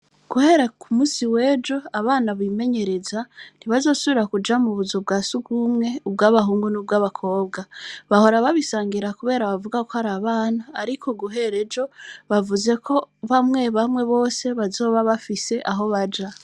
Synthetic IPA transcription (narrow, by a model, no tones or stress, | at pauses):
ɡ̥uhe̞ɾakʰumuːsiwe̞ːd͡ʒo̞aβaːnaβime̞ɲe̞ɾe̞zan̥iβazo̞ːsuβiɾakud͡ʒamuβuzob̚ɡaːsuɡumŋe̞ubɡaːβaɦuːŋɡunub̚ɡaːβakʰo̞ːbɡaβaho̞ɾaβaβisaːŋɡiɾakuβe̞ːɾaβavuɡako̞haɾaβaːnaːɾikʰo̞ɡuɦe̞ɾe̞d͡ʒo̞βavuze̞kʰo̞βamŋe̞βamŋe̞βo̞ːse̞βazo̞ːβaβafise̞ʔaɦo̞βad͡ʒa